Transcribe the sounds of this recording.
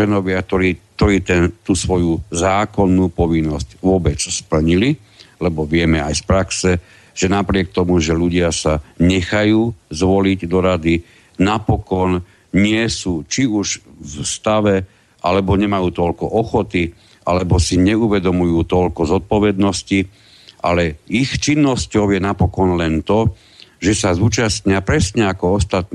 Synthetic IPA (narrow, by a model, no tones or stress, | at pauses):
ɛnɔʋɪak̚t̪ɔɾiːk̚t̪ɔɾiːt̪ɛnt̪uːsʋɔjuzaːkɔnːuːpɔʋinːɔscʋʊɔbɛt͡sspl̩ɲili | lɛbɔʋɪɛmɛajspɾaksɛ | ʒ̥ɛnapɾɪɛk̚t̪ɔmuʒɛluɟɪasaɲɛxajuːzʋɔliɟd̪ɔɾad̪i | napɔkɔn | ɲɪɛsuːt͡ʃiuʒfst̪aʋɛ | ʔalɛbɔɲɛmajuːt̪ɔʎkɔʔɔxɔt̪i | ʔa̰lɛbɔsiɲɛuʋɛd̪ɔmujuːt̪ɔʎkɔzɔt̪̚pɔʋɛd̪nɔsci | ʔa̰lɛixt͡ʃinːɔscɔʊjɛnapɔkɔnlɛnt̪ɔ | ʒɛsazuːt͡ʃast̪ɲɪapɾɛsɲɛakɔɔst̪at̪̚n